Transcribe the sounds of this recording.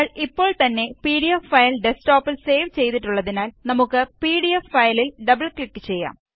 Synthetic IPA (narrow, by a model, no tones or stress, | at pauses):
ɐɭipːo̞ːɭt̪ɐnːe̞piːɽijɐffɐjlɖesʈoːpːilse̞ːʋt͡ɕe̞jt̪iʈːuɭːɐðinaːlnɐmukːɨpiːɽijɐfːɐjlilɖɐbɐlklikːɨ̥t͡ɕe̞jːa̰ːm